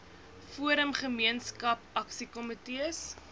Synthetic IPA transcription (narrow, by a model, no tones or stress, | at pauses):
fuəɾəmχəmiənskɐpɐksikɔmitiəs